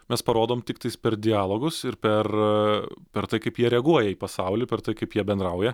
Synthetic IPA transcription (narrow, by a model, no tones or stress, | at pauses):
mʲɛspɐɾoːd̪oːmt̪ʲɪkt̪ɐɪspʲɛɾd̪ʲɪaːlˠoːɡʊsɪɾpʲɛr | pʲɛɾt̪ɐɪkɐɪpjiɛɾʲɛɐɡuɔjɛiːpɐsɐʊlʲɪpʲɛɾt̪ɐɪkɐɪpjiɛbʲɛnd̪ɾɐʊjɛ